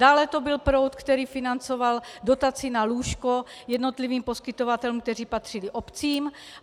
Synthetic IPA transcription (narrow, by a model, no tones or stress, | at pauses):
daːlɛt̪o̞bɪlpɾo̞wt̪kt̪ɛɾiːfɪnant͡so̞valdo̞t̪at͡sɪnaluːʃko̞jɛdno̞t̪liviːmpo̞skɪt̪o̞vat̪ɛlumkt̪ɛr̝iːpat̪r̝̥ɪlɪʔo̞pt͡siːm